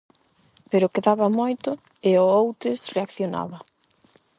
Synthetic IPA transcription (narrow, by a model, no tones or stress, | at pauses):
peɾʊkeðaβɐmojt̪ʊ | ɪoowt̪ɪsreakθjona̰βɐ